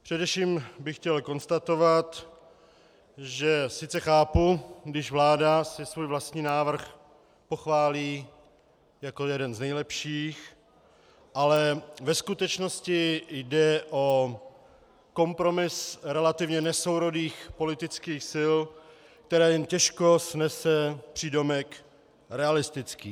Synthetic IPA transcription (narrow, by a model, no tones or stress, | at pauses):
pr̥ɛdɛfʃiːmbɪxcɛlko̞nst̪at̪o̞vat̪ | ʒɛsɪt͡sɛxaːpuɡdɪʒvlaːdasɪsvuːjvlast̪ɲiːnaːvr̩x | po̞xvaːliː | jako̞jɛdɛnznɛjlɛpʃiːx | ʔalɛvɛskut̪ɛt͡ʃno̞scɪjdɛʔo̞ | ko̞mpɾo̞mɪsɾɛlat̪ɪvɲɛnɛsowɾodiːxpo̞lɪt̪ɪt͡skiːxsɪl | k̚t̪ɛɾɛːjɛmcɛʃko̞snɛsɛpr̝̥ido̞mɛk | ɾɛalɪst̪ɪt͡skḭː